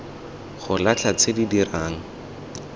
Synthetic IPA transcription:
χʊlat͡ɬʰat͡sʰedidiraːŋ̩

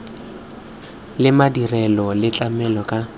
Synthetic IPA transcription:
lɪmadirɛlɔlɪt͡ɬʼamɛlɔkʼa

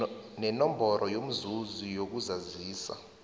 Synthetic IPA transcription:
nɛnɔmbʱɔɾʔɔjom̩zuzijok̬uzaziːsa̰

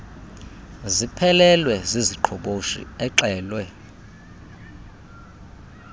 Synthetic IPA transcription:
zipʰɛlɛlwɛziziǃʰɔɓoʃḭɛǁɛːlwɛ

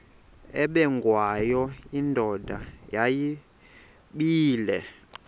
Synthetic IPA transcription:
ɛɓɛŋɡʱwajɔindʱɔdʱa̰jaji | ɓiːlɛ

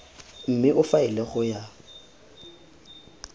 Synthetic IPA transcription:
m̩mɪʔʊfaɪlɛχʊja

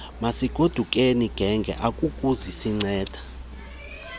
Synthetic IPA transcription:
masiɡ̥ʱod̥ʱukʼeniɡ̥ʱɛŋɡʱɛ̰ʔakʼukʼuzisiŋ͡ǀɛːd̥ʱḁ

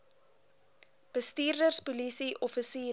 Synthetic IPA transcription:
b̥əstiːrdərspulisiʔɔfəsiː

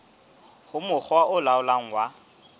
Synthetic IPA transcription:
hʊmʊk͡xwaʔʊlaʊlaŋ̩wa

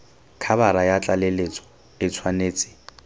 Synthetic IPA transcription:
kʰabaɾajat͡ɬʼalelet͡sʼɔ̥ | ɪt͡sʰwaneːt͡sʼɪ̥

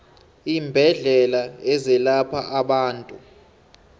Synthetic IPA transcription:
iːmbʱɛɮɛlaɛzɛlapʰaʔaɓaːntʼu

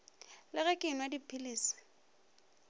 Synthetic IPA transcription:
lɪɣɛkʼɪnwadipʰiliːsi̥

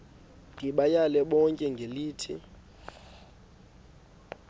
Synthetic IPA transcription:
ndʱiɓajalɛɓɔŋkʼɛŋɡʱeliːtʰḭ

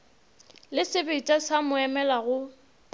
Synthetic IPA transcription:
lɪsɪbeitʼasamʊɛmɛlaɣʊ

